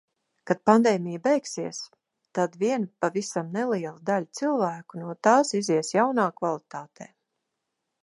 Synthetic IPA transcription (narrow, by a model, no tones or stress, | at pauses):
kad̪̥̚pand̪ɛːmʲijabɛjksiɛs | t̪ad̪viɛnpavisamnɛlˠiɛlˠud̪alʲt̪silˠvæːkunuɔt̪aːsiziɛsjawnaːkvalˠit̪aːt̪eː